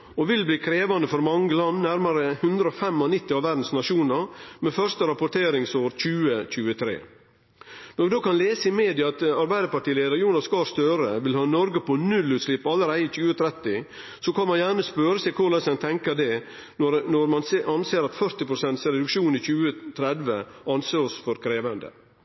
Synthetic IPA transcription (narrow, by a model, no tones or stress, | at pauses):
ɔʋɪlbliːkʰɾeːʋɑnəfɔɾmɑŋːəlɑnnæɾmɑɾəhʉnd̪ɾəɔfɛmːɔnɪt̪ːɪɑʋæɾɖd̪n̩snɑʂuːnɑɾmɛfœɾst̪əɾɑpʊʈ̪ʰeːɾɪŋsoːɾc͡çʉːəc͡çʉːət̪ʰɾḛː | nɔɾʋɪd̪oːkɑnleːsəɪmeːd̪ɪɑɑt̪ɑɾbæɪd̪əɾpɑʈiːleːd̪əɾjuːnɑskɑst̪øɾəʋɪlhɑːnɔɾɡəpʰɔnʉlːʉːt̪slɪpːɑləɾæɪɪc͡çʉːət̪ʰɾɛt̪ɪ | sɔkʰɑnmɑnjæːɳəspøːɾəsæɪkʰʊlɑnsɛnt̪ʰɛŋkəd̪ɛ | ɔnɔɾmɑnsʔɑnseːɾɑt̪fœɾt̪ɪpʰɾʊsɛnt̪sɾɛd̪ʉkʃuːniçʉːət̪ʰɾɛd̪ʋəɑnseːɔsfɔɾkʰɾeːʋənd̪ə̰